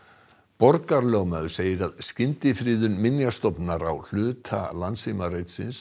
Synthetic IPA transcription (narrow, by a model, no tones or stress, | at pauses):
pɔɾkaɾlœɣmœðʏ̥seːjɪɾaðscɪnt̪ɪfɾiːðʏnmɪnjast̪ɔpnaɾa̰wl̥ʏːt̪ʰa̰lant̪simarejt̪sɪ̰ns